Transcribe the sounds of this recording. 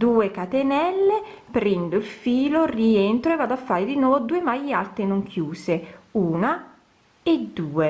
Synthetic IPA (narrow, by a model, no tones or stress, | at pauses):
d̪uːekat̪enɛlːe | pɾɛnd̪oilfiːlorient̪ɾoevːaːd̪oafːaːɾed̪inwɔːvod̪uːemajalt̪ɾenoŋkʰjuːseuːna | ed̪ːuːe